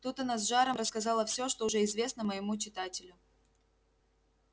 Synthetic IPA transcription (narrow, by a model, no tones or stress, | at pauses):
t̪ut̪ɐnazʐaɾəmɾəskɐzalˠəfsʲo̞ʂt̪oʊʐɛɪzvʲe̞snəməjɪmut͡ɕɪt̪atʲɪlʲʊ